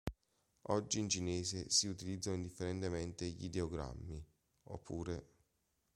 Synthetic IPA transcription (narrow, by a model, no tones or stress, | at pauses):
ɔd͡ʒːiːnt͡ʃineːsesiut̪ilid̪zanoind̪ifːeɾent̪emɛnt̪eʎḭd̪eoɡɾa̰mːi | o̰pʰːṵːɾe